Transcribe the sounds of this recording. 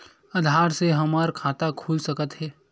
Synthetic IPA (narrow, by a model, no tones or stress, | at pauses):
ɐd̪ʱaːɾseɦɐmaɾkʰaːt̪akʰuːlsɐkət̪ɦɛː